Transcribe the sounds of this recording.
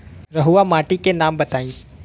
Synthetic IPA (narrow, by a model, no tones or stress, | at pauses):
ɾɐɦuʋamaːʈikenaːmbɐt̪aːĩː